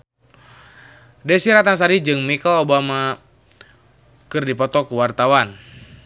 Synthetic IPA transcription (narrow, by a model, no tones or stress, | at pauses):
dɛsiɾat̪ans̬aɾid͡ʒɨŋmikalobama | kɨrdipɔt̪ɔkuwart̪awan